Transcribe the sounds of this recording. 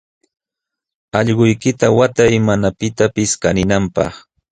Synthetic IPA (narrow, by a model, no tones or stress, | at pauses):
ɑʎɢʊjkɪt̪awat̪ajmanapɪt̪apɪskanɪnampɑ̰χ